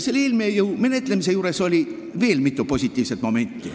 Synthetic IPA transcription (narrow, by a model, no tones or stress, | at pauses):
selːeːlmiejəwme̞ne̞t̪ˑle̞mis̬e̞juːɾe̞so̞lʲi | ve̞ːlmit̪ːˑupo̞sʲit̪ʲːˑiːvset̪mo̞me̞nʲt̪ːˑi